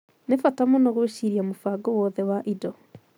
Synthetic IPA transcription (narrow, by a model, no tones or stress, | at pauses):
nefatamonɔɣweʃiɾiamofaɡɔwɔðɛwaʔidɔ